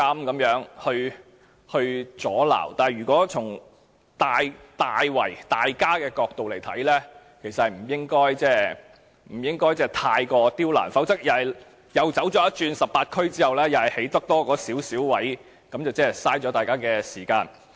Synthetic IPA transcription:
ɐ˥mkɐ˨˧˥mjœː˨˥ŋhɵ˧ɥ | hɵ˧ɥt͡sɔː˨˥la̰ː˨˩wt̪aː˨˩˨jɥyː˨˩kɔː˨˥t͡sʰʊ˨˩ŋ | t̪aː˨jt̪aː˨jwɐ̰˨˩jt̪aː˨˩jkaː˥kɛː˧kɔː˧k̚t̪o˨wle˨˩jt̪ʰɐ˨˥jlɛː˥ | kʰe˨˩sɐ˨t̚hɐ˨jm̩˨˩jɪ˥ŋkɔː˥jt͡sɛː˥˩ | m̩˨˩jɪ˥ŋkɔː˥jt͡sɛː˥˩t̪ʰaː˧jkɔː˧t̪iː˥wla̰ː˨˩nfɐ˨˥wt͡sɐ˥k̚jɐ˨ɐ˨j | jɐ˨˧wt͡sɐ˨˥wt͡ʃɔː˨˧˥jɐ˥t̚t͡ʃyː˧nsɐ˨p̚paː˧t̚kʰɵ˥ɥt͡siː˥hɐ˨wlɛː˥jɐ˨wɐ˨˩jhe˨˥jt̪ɐ˥k̚t̪ɔː˥kɔː˨˧˥siː˨˥wsiː˨˥wwɐ˨˥j | kɐ˨˥mt͡sɐ˨wt͡sɛː˥ɛ˨saː˥jt͡ʃɔː˨˥t̪aː˨jkaː˥kɛː˧siː˨˩kaː˧n

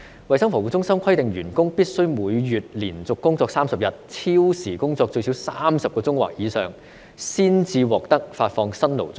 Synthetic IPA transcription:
wɐ˨jsɐ˥ŋfɔː˨˩wuː˨˧˥t͡sʊ˥ŋsɐ˥mkʰɐ˥jt̪ɪ˨ŋjyː˨˩nkʊ˥ŋpiː˥t̚sɵ˥ɥmuː˨˧jːyː˨˩t̚liː˨˩nt͡sʊ˨kːʊ˥ŋt͡sɔː˧k̚saː˥msɐ˨p̚jɐ˨t̚t͡sʰiː˥wsiː˨˩kʊ˥ŋt͡sɔː˧k̚t͡ʃɵ˧ɥsi˨˥wsaː˥msɐ˨p̚kɔː˧t͡sʊ˥ŋwa̰ː˨k̚jiː˨˧sœː˨˩ŋ | siː˥nt͡siː˧wɔː˨k̚t̪ɐ˥k̚faː˧t̚fɔː˧ŋsɐ˥nlo̰˨˩wt͡sʊ˥ŋ

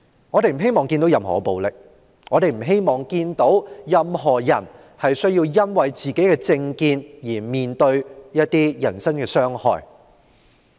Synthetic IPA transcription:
ŋɔː˨˧t̪e˨jm̩˨˩ɦe˥jmɔː˨ŋkiː˧nt̪o˨˥wjɐ˨mɦɔ̰ː˨˩po˨˧wlɪ˨k̚ | ŋɔː˨˧t̪e˨jm̩˨˩ɦe˥jmɔː˨ŋkiː˧nt̪o˨˥wjɐ˨mɦɔː˨˩jɐ̰˨˩n | hɐ˨jsɵ˥ɥjiː˧wjɐ˥nwɐ˨jt͡siː˨˩ke˨˥jkɛː˧t͡sɪ˧ŋkiː˧njiː˨˩miː˨nt̪ɵ˧ɥjɐ˥t̚t̪ːiː˥jɐ˨˩nsɐ˥nkɛː˧sœː˥ŋhɔ̰ː˨˩j

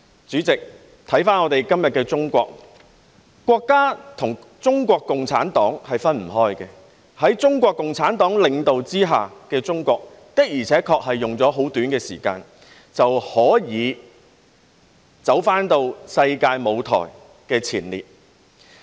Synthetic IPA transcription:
t͡syː˨˥t͡sɪ˨k̚ | t̪ʰɐ˨˥jfaː˥nɔː˨˧t̪e˨jkɐ˥mjɐ˨t̚kɛː˧t͡sʊ˥ŋkʷɔː˧k̚ | kʷːwɔː˧kːaː˥t̪ʰʊ˨˩ŋ | t͡sʊ˥ŋkʷɔː˧kːʊ˨ŋt͡sʰa̰ː˨˥nt̪ɔː˨˥ŋhɐ˨jfɐ˥nm̩˨˩ɦɔː˥jkɛː˧ | hɐ˨˥jt͡sʊ˥ŋkʷɔː˧kːʊ˨ŋt͡sʰaː˨˥nt̪ɔː˨˥ŋlɪ˨ŋt̪o˨wt͡siː˥ɦaː˨kɛː˧t͡sʊ˥ŋkʷɔː˧k̚ | t̪ɪ˥k̚jiː˨˩t͡sʰɛː˨˥kʰɔː˧k̚hɐ˨jːʊ˨ŋt͡sɔː˨˥ɦo˨˥wt̪yː˨˥nkɛː˧siː˨˩ka̰ː˧n | t͡sɐ˨whɔː˨˥jiː˨˧ | t͡sɐ˨˥wfaː˥nt̪o˧wsɐ˧jkaː˧jmo˨˧wt̪ʰɔ̰ː˨˩j | kɛː˧t͡sʰiː˨˩nlḭː˨˩t̚

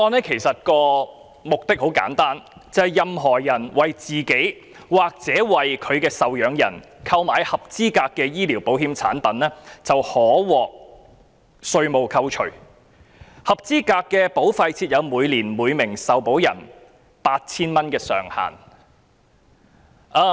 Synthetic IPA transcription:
ɔː˧nɛː˥kʰe˨˩jsɐ˨t̚kɔː˧ | mʊ˨k̚t̪ɪ˥k̚ho˨˥wka̰ː˨˥nt̪aː˥nt͡sɐ˨˧hɐ˨˩jɐ˨mɦɔː˨˩jɐ˨˩nwɐ˨jt͡siː˨ke˨˥j | waː˨k̚t͡sɛː˨˥wɐ˨jkʰɵ˨˧ɥkɛː˧sɐ˨wjœː˨˧ŋjɐ̰˨˩nkʰɐ˧wmaː˨˧jhɐ˨p̚t͡siː˥kaː˧kːɛː˧jiː˥liː˨˩wpo˨˥whiː˧mt͡sʰa̰ː˨˥npɐ˨˥nɛː˥t͡sɐ˨whɔː˨˥wɔː˨k̚ | sɵ˧ɥmo˨˧wkʰɐ˧wt͡ʃʰɵ̰˨˩ | hɐ˨p̚t͡siː˥kaː˧kːɛː˧po˨˥wfɐ˨˧jt͡sʰiː˧t̚jɐ˨˧wmuː˨˧jliː˨˩nmuː˨˧jmɪ˨˩ŋsɐ˨wpo˨˥wjɐ̰˨˩n | paː˧t̚t͡sʰiː˥nmɐ˥nkɛː˧sœ̰ː˨˩ŋha̰ː˨˩n | ʔaː˧

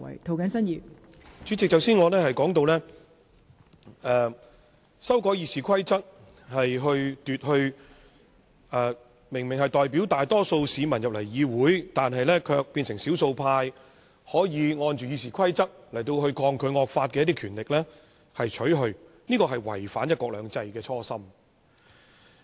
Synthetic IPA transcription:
ɐ̰˨˩jt̪ʰo˨˩wkɐ˨˥nsɐ˥njiː˨ | t͡ʃyː˨˥t͡sɪ˨k̚t͡sɐ˨˧wsiː˥nŋɔː˨˧lɛː˥hɐ˨jkɔː˨˥ŋt̪o˧wlɛː˥ | ɛː˨˩ | sɐ˥wkɔː˨˥jiː˧siː˨˩kʰɐ˥jt͡sɐ˥k̚ | hɐ˨jɦɵ˧ɥt̪yː˨t̚hɵ˧ɥ | ɛː˨˩ | mɪ˨˩ŋmɪ˨˩ŋɦɐ˨jt̪ɔː˨˩jp̬iː˨˥wt̪aː˨jt̪ɔː˥so˧wsiː˨˧mɐ˨˩njɐ˨p̚lɐ˨˩jjiː˨˧wuː˨˥jt̪aː˨nɦɐ˨jlɛː˥kʰœː˧k̚piː˧nsɪ˨˩ŋsi˨˥wso˧wpʰaː˧j | hɔː˨˥jiː˨˧ŋɔː˧nt͡ʃyː˨jiː˧s̬iː˨˩kʰɐ˥jt͡sɐ˥k̚lɐ˨˩jt̪o˧wɦɵ˧ɥkʰɔː˧ŋkʰɵ˨˧ɥŋɔː˨˧k̚faː˧t̚kɛː˧ɐt̪i˥kʰyː˨˩nlɪ˨k̚lɛː˥ | hɐ˨jt͡ʃʰɵ˨˥ɥɦɵ˧ɥ | niː˥kɔː˧ɦɐ˨jwɐ̰˨˩jfaː˨˥njɐ˥t̚kʷːwɔː˧k̚lœː˨˧ŋt͡sɐ˧jkɛː˧t͡sʰɔː˥sɐ˥m

